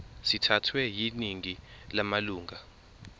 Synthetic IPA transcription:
sitʰatʰwɛjiniŋilamaluːŋa

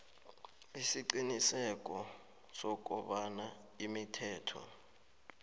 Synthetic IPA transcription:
isiǀinisɛk̬ʼɔ | sɔk̬ʼṵɓana | imitʰɛːtʰɔ̰

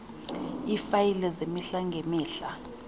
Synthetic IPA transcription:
ifajilɛzemiɬaŋɡʱemiːɬa

